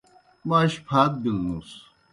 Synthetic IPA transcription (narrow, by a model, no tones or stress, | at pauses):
maʃpʰaːt̪̚bilnus